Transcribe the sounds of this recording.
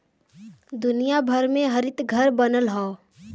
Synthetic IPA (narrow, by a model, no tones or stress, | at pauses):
d̪ʊnijabʱəɾmẽɦəɾɪt̪ɡʱəɾbənəlɦɔː